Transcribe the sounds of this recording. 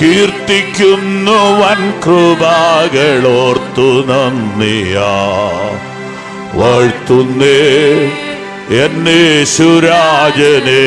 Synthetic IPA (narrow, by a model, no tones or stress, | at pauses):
kiːrt̪ːikʲːunːɐʋɐnkrɨbʱaːɡɐɭoːrt̪ːunɐnːija | ʋɐɻt̪ːunːe | enːeɕuɾaːd͡ʑɐne